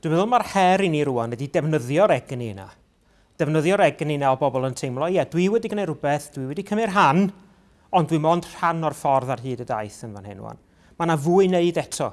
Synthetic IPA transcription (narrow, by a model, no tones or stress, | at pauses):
d̥wivɛðʊlˠmarhɛɾiniɾuanwɛdidɛvnəðjɔɾɛɡnina̰ | d̥ɛvnəðjɔɾɛɡninaɔbɔbɔlˠəntʰejmlˠɔjɛdwiwɛdiɡənejɾʊbɛθd̥wiwɛdikʰəmɪrɦan | ɔndwimoːnd̥r̥anɔrfɔrðarɦɨːdəda̰ɨθənvanhɛ̰nṵa̰n | manavuːɨneɨdɛtʰɔ